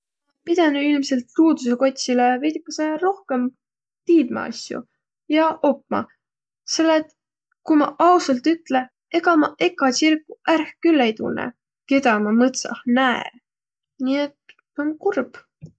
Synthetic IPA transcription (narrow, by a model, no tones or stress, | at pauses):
pid̪̥ɑnyilmse̞lt̪ːuːd̪useko̞t̪ʲsilevijt̪ikːˑɑseɾo̞hke̞m | t̪iːd̪̥mɑ̰ɑ̰sjṵ | jɑʔo̞pmɑ̰ | selːet̪ | kumɑ̰ʔɑwsɑlt̪ːyt̪ːle̞ | e̞ɡ̥ɑmɑʔe̞kˑːɑsirkːuʔærhkylːejt̪ṵnːḛ | ke̞d̪̥ɑmɑmɤt̪sɑ̰hnæḛ | niːet̪ː | onkurb̥